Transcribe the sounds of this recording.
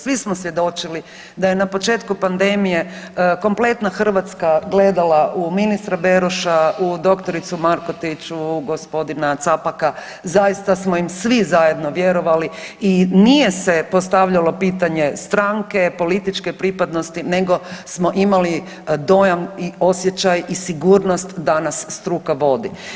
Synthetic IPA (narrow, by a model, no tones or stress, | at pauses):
sʋismosʋje̞d̪o̞t͡ʃili | d̪aje̞napo̞t͡ʃe̞ːt̪kupand̪e̞mije̞ko̞mple̞t̪naxr̩ʋat̪skaɡle̞d̪alaʔuminist̪ɾabeɾuʃaud̪o̞kt̪o̞ɾit̪sumaɾko̞t̪it͡ʃuɡo̞spo̞d̪inat̪sapaka | zajist̪asmo̞imsʋizaje̞d̪no̞ʋje̞ɾo̞ʋaliinije̞sepo̞st̪aʋʎalo̞piːt̪aɲe̞st̪ɾaŋke̞po̞lit̪it͡ʃke̞pɾipad̪no̞st̪ine̞ɡo̞smo̞ʔimali | d̪o̞janio̞sje̞t͡ɕajisiɡuːɾno̞st̪d̪anasːt̪ɾukaʋo̞d̪i